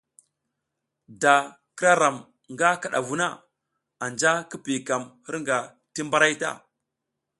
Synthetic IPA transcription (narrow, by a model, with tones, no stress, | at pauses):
da˨ | ki˦ɾa˦ɾa˨m | ŋɡa˦ka˨ɗa̰˨vu˦na˦ | a˨nd͡ʒa˦ki˦pi˨ka˨mhi˦ɾŋɡa˨ | ti˦mba˦ɾa˦jta̰˦˨